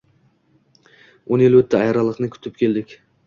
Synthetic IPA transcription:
onelyɵt̪ʰːɪɑjɑɾɑlˠəqnɨkʲʰy̥t̪ʰɪp̚kʲʰeld̪ɪkʲ

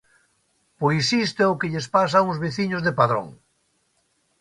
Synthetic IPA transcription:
pojsist̪eokeʎespas̬auŋzβeθiɲozðepaðɾo̰ŋ

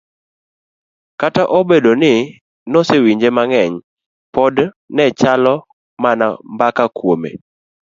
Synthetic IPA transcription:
kataʔobedonɪ | nɔsewiɲd͡ʒemaŋɛɲ | pɔd | nɛt͡ʃalɔ | mana̰mbakakwomḛ

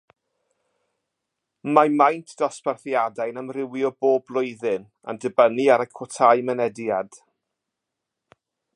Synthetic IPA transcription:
mamajntʰd̥ɔsparθjadajnamrɪwiɔboːblˠʊɨðɪn | a̰ndəbəniaɾəkʰwɔtʰajmɛnɛdjad̥

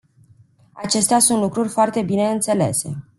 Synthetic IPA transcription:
at͡ʃe̞st̪easunt̪lukɾurʲfoart̪e̞bine̞ɨnt̪se̞le̞̰se̞̰

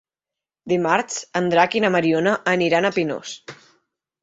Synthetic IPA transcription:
d̪imaɾt͡sənd̪ɾakinəməɾionəʔːniɾanəpino̰s

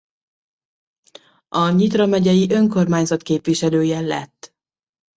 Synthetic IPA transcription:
ɒɲit̪rɒmɛɟɛjiʔø̞ŋko̞rmaːɲzɒt̪keːpʋiʃɛløːjɛlɛ̰t̪ː

